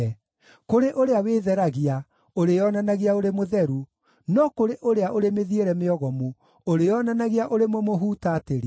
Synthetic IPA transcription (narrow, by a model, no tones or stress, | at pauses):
ɛ | koɾeʔoɾeaweːðɛɾaɣia | oɾejɔnanaɣiaoɾemoðɛɾu | nɔkoɾeʔoɾeaʔoɾemeðieɾɛmeɔɣɔmu | oɾejɔnanaɣiaʔoɾemomoɦutaːteɾ